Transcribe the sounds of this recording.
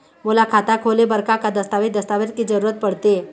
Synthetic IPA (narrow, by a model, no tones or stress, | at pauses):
mulakʰat̪akʰolebəɾkakad̪əst̪aʋit̪d̪əst̪aʋeɾkid͡zəɾuɾət̪̚pəɽ̤t̪e